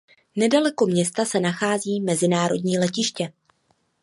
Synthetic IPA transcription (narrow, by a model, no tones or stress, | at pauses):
nɛdalɛko̞mɲɛst̪asɛnaxaːziːmɛzɪnaːɾo̞̰dɲiːlɛcɪʃcɛ